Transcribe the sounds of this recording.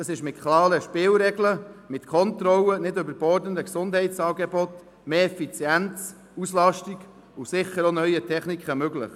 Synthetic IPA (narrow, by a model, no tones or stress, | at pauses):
d̥ɑsɪʃmɪtkʰlɑːɾəʃpɪːlɾɛɡləmɪtkʰɔntɾɔlːənɪdʏbəɾb̥ɔɾdənəksʊndhɛɪtt͡sɑːɡɛbɔt | meːɛfit͡sjænt͡s | uslɑʃtiɡ | ʊsɪχəɾonœʏətʰɛχnikʰχəmøɡlə̰χ